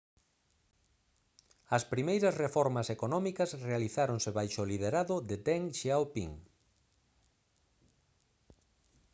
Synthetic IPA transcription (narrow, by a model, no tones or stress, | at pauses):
ɐspɾimejɾɐsrefɔɾmɐsekonɔ̃mikɐsrealiθaɾoŋseβajʃolið̞eɾaðʊðet̪ɛŋʃawpḭŋ